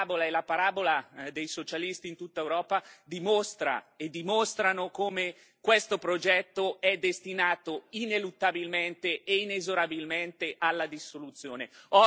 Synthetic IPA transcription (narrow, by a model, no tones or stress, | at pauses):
bolaelapaɾaːbolad̪ejsot͡ʃalist̪iːnt̪ut̪ːaewɾɔːpad̪imost̪ɾa̰ed̪imost̪ɾanokoːme | kwest̪opɾod͡ʒɛt̪ːoɛd̪ːest̪inaːt̪oinelut̪ːabilment̪eeinezoɾabilment̪eʔalːad̪isolut̪sːjoːneɔ